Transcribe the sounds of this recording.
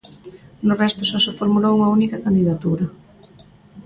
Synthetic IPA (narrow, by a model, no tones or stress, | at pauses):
nʊrɛst̪ʊʃasɪfoɾmulowuŋɐunikɐkand̪iðat̪uɾɐ